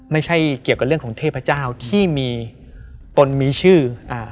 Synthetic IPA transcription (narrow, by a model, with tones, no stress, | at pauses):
ma˥˩jt͡ɕʰa˥˩jki˨˩əwka˨˩ɾɯ˥˩əkʰɔː˩˦ŋt̪ʰeː˥˩pʰa˧˦˥t͡ɕaː˥˩wt̪ʰiː˥˩miː˧ | t̪o˧nmiː˧t͡ɕʰɯː˥˩ʔaː˧˩